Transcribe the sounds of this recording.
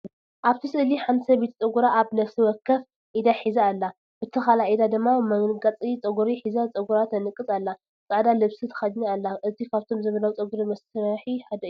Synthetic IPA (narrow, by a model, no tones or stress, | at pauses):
ʔaβt̪ʰisɨliħant̪sɐbet̪ʰt͡sʼɐɡuɾaʔaβnɐfsiwɔkʰːɐf | ʔid̪aħizaːlːa | bɨt̪ʰɐxalaʔid̪ad̪ɨmːamɐŋɡat͡sʼit͡sʼɐɡuɾiħizat͡sʼɐɡuɾat̪ʰɐnɨkʼːɨt͡sʼalːa | t͡sʼaʕd̪alɨβsit̪ʰɐ̥xadɲaalːaʔɨt̪ʰikʰaβt̪ʰo̞mzɐβɐlawt͡sʼɐɡuɾimɐsɾħiħad̪ɐj